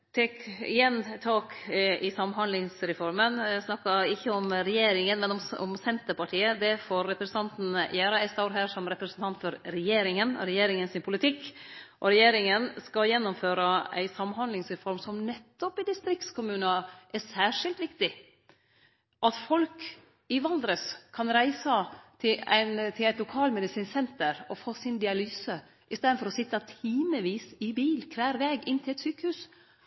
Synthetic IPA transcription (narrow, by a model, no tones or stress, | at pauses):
t̪ʰɛkɪjɛnt̪ʰɑːkʔɪsɑmhɑnd̪lɪŋsɾɛfɔɾmənsnɑkːɑɪçːəɔmɾɛjeːɾɪŋənmɛnɔmɔ̰msɛnt̪əpɑʈʰiːəd̪ɛfoːɾːɛpɾsən̩t̪ʰɑnt̪n̩jæːɾɑɛst̪ɑʊɾɦæːɾʂɔmɾɛpɾəsnt̪ʰɑnt̪fɔɾɾɛjeːɾɪŋənɾɛjeːɾɪŋənsɪnpʰʊlɪt̪ʰɪkːʔɔɾɛjeːɾɪŋənskɑljɛnːʊmføːɾɑæ̰ɪsɑmːhɑnd̪lɪŋsɾɛfɔɾmsɔmnɛt̪ːɔpɪd̪ɪst̪ɾɪkt̪skʰʊmʉːnɑʔɛsæːʂɪlt̪ʋɪkt̪ɪ | ʔɑt̪fɔlk | ɪʋɑld̪ɾəskʰɑnɾæɪsɑt̪ʰɪæ̰ɪnt̪ʰɪlæɪt̪lʊkʰɑːlmɛd̪ɪsiːnsɛnt̪əɾɔfoːsɪnd̪ɪɑlyːsə | ʔɪst̪eːd̪nfɔɾɔsɪt̪ːɑt̪ʰiːməʋiːsɪbiːlkʰʋæːɾʋeːɡɪnt̪ʰɪlɛt̪syːkəhʉːs